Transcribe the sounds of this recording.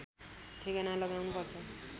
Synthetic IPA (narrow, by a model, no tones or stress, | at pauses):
ʈʰekʌnalʌɡawnupʌrt͡sʰʌ